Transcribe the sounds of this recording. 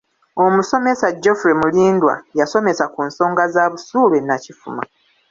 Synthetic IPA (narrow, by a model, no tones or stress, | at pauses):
o̞muso̞me̞saɟːo̞fuɾemuliːndwa̰jaso̞me̞sakunso̞ːŋɡazaːβusuːɾwenacifṵma̰